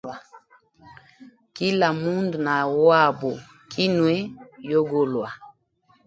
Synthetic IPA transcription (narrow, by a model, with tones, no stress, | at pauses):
a˨ | ki˦la˨mu˦ndu˨na˨wwa˦˨bo˨ | kʰi˦nwɛ˦jo˦ɡo˦lwa˨